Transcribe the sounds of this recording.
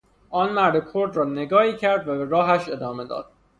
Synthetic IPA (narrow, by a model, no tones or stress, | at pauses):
ʔɒːnmæɾd̪ekʰoɾd̪rɒːne̞ɡɒːhiːcʰæɾd̪væbeɾɒːɦæʃe̞d̪ɒːme̞d̪ɒ̰ːd̪̥